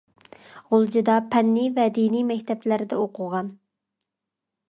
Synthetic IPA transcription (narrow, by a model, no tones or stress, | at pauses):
ʁolˠd͡ʒid̪ɑpʰɛnːivɛd̪inijmɛkʲt̪ʰɛplæɾɪd̪ɛoqʰʊʁɑn